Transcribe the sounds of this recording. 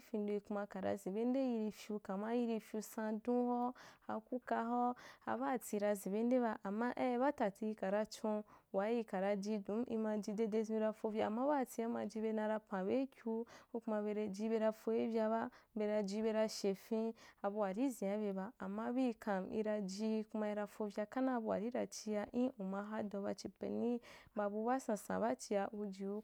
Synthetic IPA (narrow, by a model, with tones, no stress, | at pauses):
fĩ˧ndo˧i˧ku˧ma˧ka˨ɾa̰˧zi˨be˦n˦de˦ji˧ɾi˧fʲju˧ka˨ma˦ji˧˦ɾi˧fʲju˧sã˧dũ˦ho˦a̰˧ku˦ka˧ɦo˦a̰˧ba˦˨ti˧ɾa˧zi˨be˦n˦de˦βa˧ʔa˨mːa˦ʔe˦˧˦βa˦ta˨ti˧i˧ka˨ɾa˧t͡ʃõ˧wa˨˦ji˧ka˨ɾa˧d͡ʒi˧dũ˨˦mʔḭ˧mã˧d͡ʒi˧de˧de˧zi˦i˧ɾa˧fo˧vʲa˧a˨mːã˦ba˦˨ti˧˦a˦ma˧d͡ʒi˧˦be˧˦nã˧ɾa˧pã˨be˦kʲu˧o˦ku˧ma˧be˧ɾe˧d͡ʒi˧˦be˧ɾa˧fo˧i˦vʲja˧ba˦be˧ɾa˧d͡ʒi˧˦be˧ɾa˧ʃe˨fĩ˦a˨bu˧wa˨ɾi˦zĩ˨a˨˦βe˧ba˧a˨mːa˦bi˦˧kʰã˨mḭ˧ɾa˧d͡ʒi˧ku˧ma˧i˧ɾa˧fo˧vʲja˧ka˦na˦˧bu˧wa̰˨ɾi˦ɾa̰˨t͡ʃi˧ja˧ʔĩ˦ʔu˨ma˧ɦa˦dõ˧˦ba̰˧t͡ʃi˧pḛ˨nĩ˦ba˧bu˧˦ba˦sã˨sã̰˨ba˦t͡ʃi˧ja˧u˧d͡ʒi˧u˧˦